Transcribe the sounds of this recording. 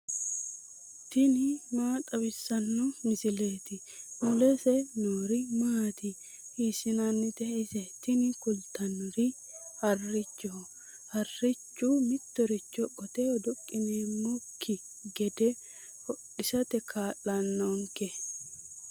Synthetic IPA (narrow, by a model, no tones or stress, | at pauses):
t̪ɪnɪmaːt̪ʼɐbɪsːɐnːɔmɪsɪleːt̪ɪ | mʊlɛsɛnoːɾɪmaːt̪ɪ | hiːsɪnɐnːɪt̪ɛɪsɛt̪ɪnɪkʊlt̪ɐnːɔɾɪ | hɐrːɪt͡ʃːɔ | hɐrːɪt͡ʃːumɪt̪ːɔɾɪt͡ʃːɔkʼɔt̪ɛɔd̪ʊkʼːɪneːmːɔkʰːɪ | ɡɛd̪ɛ | hɔɗɪsɐt̪ɛkʰaːlɐnːoŋkɛ